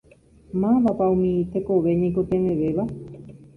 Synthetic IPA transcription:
mãʋapaumĩit̪ekoʋeɲẽkot̪eʋẽʋeʋa

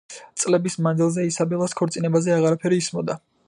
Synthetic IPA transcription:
t̪sʼlɛbismanzilˠzɛisabɛlˠaskʰɔɾt̪sʼinɛbazɛaʁaɾapʰɛɾiːsmɔd̪a

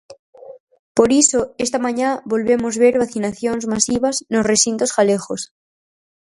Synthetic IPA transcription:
poɾisoest̪amãɲaβo̞lβemozβeɾβaθinaθjonzmasiβ̞aznosresint̪osxalexos

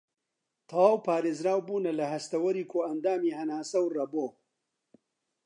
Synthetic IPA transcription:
t̪ʰɐwaːwpʰaːɾeːzɾaːwbuːnɐlɐhɐst̪ɐwɐɾiːkʰoːɐnd̪aːmiːhɐnaːsɐwrɐboː

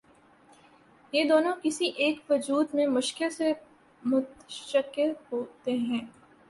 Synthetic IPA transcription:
jeːd̪oːnõkɪsiʔeːkʋɐd͡ʒuːd̪mẽmʊʃkɪlse | mʊt̪ʃəkɪɾɦoːt̪eɦɛ̃ː

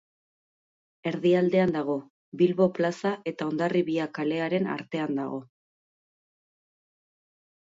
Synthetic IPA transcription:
e̞ɾðiald̪e̞and̪aɣ̞o̞ | bilβo̞plasaʔe̞t̪ao̞nd̪ariβiakale̞aɾe̞na̰ɾt̪e̞and̪aɣ̞o̞

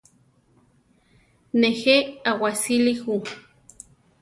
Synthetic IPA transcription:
neheawasilihu

